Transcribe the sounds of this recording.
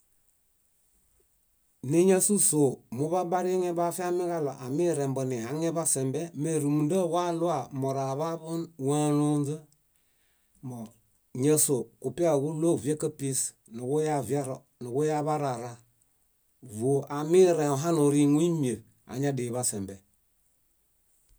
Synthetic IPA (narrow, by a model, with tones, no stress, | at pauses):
ni˦ɲa˦su˦so˨mu˦βa˦ba˦ɾi˦ŋe˦ba˦fi˦a˦mi˦ɣa˦lo˨ʔa˨mi˦ɾe˨mbɔ˨ni˨ha˨˦ŋe˦ba˦se˨mbe˦me˨ɾu˨mu˨ndə˦˨wa˦lu˦a˦˨mo˨ɾa˨βa˦bu˦n˨wa˦nu˦nzə˦ | mo˨ | ɲə˦so˨ku˨pi˦a˦˨ɡu˦lo˦˨ve˦kə˦pi˦s | nu˨ɡu˦ja˦va˦ɾ | nu˨ɡu˦ja˦βa˦ɾa˨ɾa˦ | vo˨a˨mi˦ɾe˨o˨ɦa˦no˨ɾi˨ŋu˦i˦mi˨e˨b | a̰˨ɲa˦di˨βa˦se˨mbɛ˨